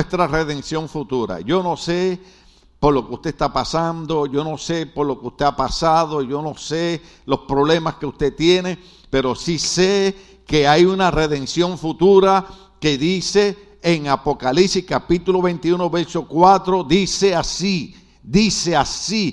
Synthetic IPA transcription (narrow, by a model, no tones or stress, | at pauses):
est̪ɾare̞ðe̞nsjo̞ɱfut̪uɾa̰ʝo̞no̞se̞ | po̞ɾlo̞keust̪eest̪apasand̪o̞ʝo̞no̞se̞po̞ɾlo̞keust̪e̞apasaðo̞ʝo̞no̞se̞ | lo̞spɾo̞βle̞maskeust̪e̞t̪jene̞ | pe̞ɾo̞sise | keajunare̞ðẽ̞nsjo̞ɱfut̪uɾa | ke̞ðise̞ː | ŋapo̞kalipsihkapit̪ulo̞βe̞nt̪iuno̞βe̞ɾso̞kwat̪ɾo̞ðise̞asi | d̪ise̞asi